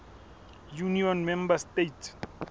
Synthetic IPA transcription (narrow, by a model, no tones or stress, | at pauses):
juniɔ̃nmɛ̃mbastet